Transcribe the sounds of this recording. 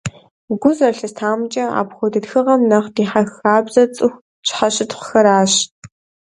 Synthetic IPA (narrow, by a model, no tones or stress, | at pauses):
ɡʷʊzɐɬɐstʰaːmt͡ʃʼɐa̰ːpxʷɔdɨtxɨʁɐmnɐχdiːħaxaːbzɐt͡sʼɨxʷ | t͡ʃʰʷʼħɐɕɪtχʷxɐɾaːɕ